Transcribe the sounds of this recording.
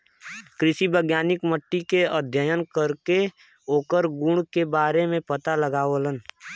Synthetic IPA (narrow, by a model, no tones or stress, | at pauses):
kɾɪʃibəɡjaːnɪkməʈːikeəd̪ʱjəjənkəɾke | oːkəɾɡʊɳkebaːɾemẽpət̪aləɡaːʋələn